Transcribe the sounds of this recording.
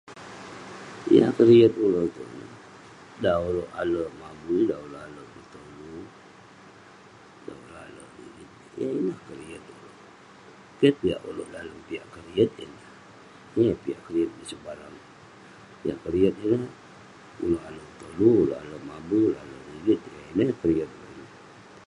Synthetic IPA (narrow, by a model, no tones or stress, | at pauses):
ḭja̰kəɾiət̪̚ulot̪ṵnə̰h | dauloʔaləmabudaoloʔaləkət̪əlu | da̰uɾa̰lədḭit̪ | jainahkəɾiət̪̚ulo | kiət̪̚piaʔṵlo̰ʔdaləpiaʔkəɾiət̪̚ḭnah | nipiaʔkəɾiət̪̚disəbaɾaŋ | ija̰kəɾiət̪̚inə | ṵloʔaləət̪əluulo̰a̰ləmabuuloʔalədiɡit̪̚əinikəɾiət̪̚loin